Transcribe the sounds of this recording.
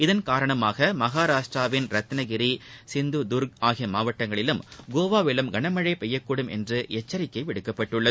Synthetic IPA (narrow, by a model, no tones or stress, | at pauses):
ɪðɐnkaːɾɐɳɐmaːɣɐmɐɣaːɾaːʂʈraːʋɪnɾɐt̪ːnɐɣɪɾisɪnd̪ud̪ʊɾɡ̚aːɣɪjɐmaːʋɐʈːɐŋɡɐɭɪlɯmɡoːʋaːʋɪlɐmɡɐɳɐmɐɻɐɪpɛjːɐkːuːɽɯmʔɛ̰ndrɯʔɛt͡ʃːɐɾɪkːɐɪʋɪɽɯkːɐpːɐʈːɯɭːɐð